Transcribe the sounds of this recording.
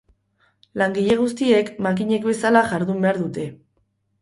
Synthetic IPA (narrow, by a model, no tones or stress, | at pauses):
laŋɡiʎe̞ɣ̞ust̪ie̞kmak̬iɲe̞kbe̞salaʝaɾðumbe̞aɾðut̪e̞